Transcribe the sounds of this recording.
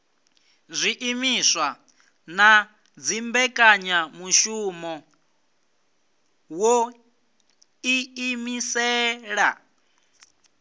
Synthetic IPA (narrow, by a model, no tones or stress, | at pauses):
zʷiʔimisʷwa | na | d͡zimbɛkʼaɲamuʃumɔ | wɔ | iimisɛːɺa̰